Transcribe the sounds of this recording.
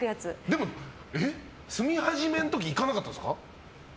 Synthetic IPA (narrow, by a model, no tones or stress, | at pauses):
ɯjat͡sɨd̪e̞mo | e | sɨmʲihaʑimẽ̞not̪okʲiːkanakat̪ːad̪ska̰